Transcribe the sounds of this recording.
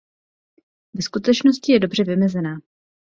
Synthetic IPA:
vɛskut̪ɛt͡ʃnoscɪjɛdo̞br̝ɛvɪmɛzɛnaː

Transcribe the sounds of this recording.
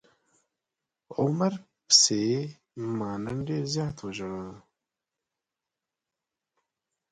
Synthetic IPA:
ʊməɾ | pse | mɑːnanɖeːɾzjɑːt̪wəʒəɽə

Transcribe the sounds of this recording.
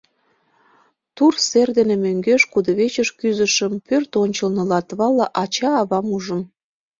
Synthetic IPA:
t̪urserd̪enemøŋɡeʃkud̪əβet͡ɕəʃkyzəʃəmpørt̪onʲt͡ɕəlnɤ̆lɑt̪βɑlɑʔɑt͡ɕɑːβɑmuʒə̆m

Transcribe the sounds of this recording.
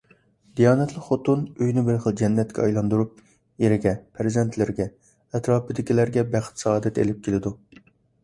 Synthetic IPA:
d̪ijɑːnɛt̪lˠəqχot̪unøjnɪbɪɾχəlˠd͡ʒɛnːɛt̪̚kʲʰɛɑjlˠɑnd̪uɾup̚ | jeɾɪɡʲɛpʰɾɪzɪnt̪ʰlɪɾɡʲɛ | ɛt̪ɾɑːpʰɪd̪ɪkʲilæɾɡʲɛbæχt̪sɑːd̪ɛt̪ḛlɪp̚kʲʰelɪd̪u

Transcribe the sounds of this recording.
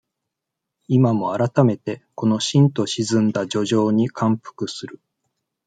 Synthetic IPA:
imamo̞aɾat̪ame̞t̪e̞ko̞no̞ɕĩnt̪o̞ɕizɨ̃nd̪ad͡ʑo̞ʑo̞ːɲ̟ikʰãmpɯ̥kɯ̟sɨɾɯ̟

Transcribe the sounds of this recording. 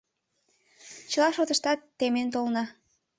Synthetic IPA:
t͡ɕəlɑʃot̪ə̆ʃt̪ɑt̪ːement̪olnɑ

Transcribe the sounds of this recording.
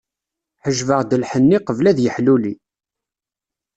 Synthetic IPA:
ħəʒvəʁd̪əlħənːiqəvlæðjəħluli

